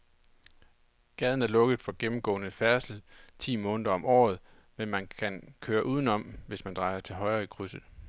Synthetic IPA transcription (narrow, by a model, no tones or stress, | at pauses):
ɡ̥ɛð̞ˠn̩æɐlɔ̽ɡ̥əð̩ˠfɒ̽ɡ̥emm̩ɡ̥ɔ̰̽ːnəfæɐsl̩t͡sʰḭːmɔ̽ːnəðˠɐɒ̽mʔɒ̰ːð̞̩ˠ | menmænkʰænkʰøːɐʔuːð̞ˠn̩ɒ̽mʋe̝smænd̥ʁɑ̈ɪɐt͡sʰe̝lɦɒ̽ɪʁɐikʰʁysð̩ˠ